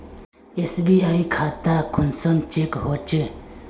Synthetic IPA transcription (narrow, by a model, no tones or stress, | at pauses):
esbiajkʰat̪akʰunsɔnt͡ʃekɦɔt͡ʃə